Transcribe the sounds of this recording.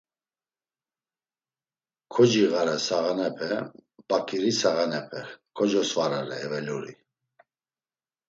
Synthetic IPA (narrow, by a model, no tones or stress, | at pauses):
kʰɔd͡ʒiɣaɾɛsaɣanɛpʰɛb̥akʼiɾisaɣanɛpʰɛkʰɔd͡ʒɔsvaɾaɾɛɛvɛluɾi